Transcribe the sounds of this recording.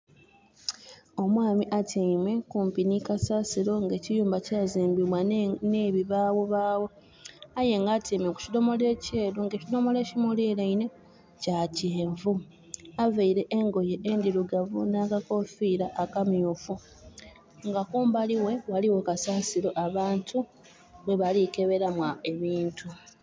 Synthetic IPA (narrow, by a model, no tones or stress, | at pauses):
o̞mwaːmiʔatimwe̞kuːmpinikasaːsiɾo̞ŋɡe̞ːcijuːmbacaːziːmbiβwaneβiβawo̞βaːwo̞ | aje̞ŋɡatiːmeku̥cido̞mo̞le̞ce̞ːluŋɡecilo̞mo̞le̞ːcimuliːleine̞ | caceːɱvu | aveiɾe̞ʔeŋɡo̞jeʔendiɾuɡavṵnakako̞fiːɾaʔːkamjufu | ŋɡakuːmbaliwe̞waliwokasaːsiɾo̞ʔaβaːntʰu | βeβalike̞βe̞ɾamwae̞βiːntʰu